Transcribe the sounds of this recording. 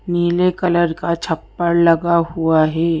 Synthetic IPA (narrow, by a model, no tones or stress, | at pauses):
niːlekɐləɾkat͡ʃʰɐpːəɾlɐɡahuaɦɛː